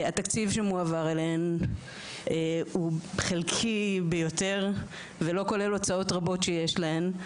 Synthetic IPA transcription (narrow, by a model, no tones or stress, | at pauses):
at̪akt͡sivʃemuavaʁelen | euχelkʰibejo̞t̪e̞ʁ | velo̞ko̞le̞lo̞t͡sao̞t̪ʁabo̞tʃejeʃlaem